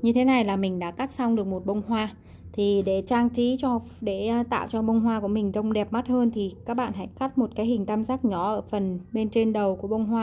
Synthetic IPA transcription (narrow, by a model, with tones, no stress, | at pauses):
ɲɨ˧t̪ʰe˨˦na˨˩jlaː˨˩mï˨˩ŋ̟ɗa̰ː˧˥ka˦˥t̚sa˧wŋ͡mɗɨ˨˩ək̚mo˨˩t̚ɓə˧wŋ͡mhwaː˧ | t̪ʰi˨˩ɗe˧˩t͡ɕaː˧ŋt͡ɕi˨˦t͡ɕɔ˧ | ɗe˧˩˧t̪a̰ː˧˨wt͡ɕɔ˧ɓə˧wŋ͡mɦwaː˧ku˧˩əmï˨˩ŋ̟t̪ə˧wŋ͡mɗɛ˨˩p̚ma˦˥t̚həː˧nt̪ʰi˨˩kaː˦˥k̚ɓa̰ː˧˨nɦa̰˧˥jka˦˥t̚mo˨˩t̚kaː˨˦jhï˨˩ŋ̟t̪aː˧mzaː˦˥k̚ɲɔ˨˦ʔəː˧˩fə˨˩nɓe˧nt͡ɕe˧nɗə˨˩wku˧˩əɓə˧wŋ͡mhwaː˧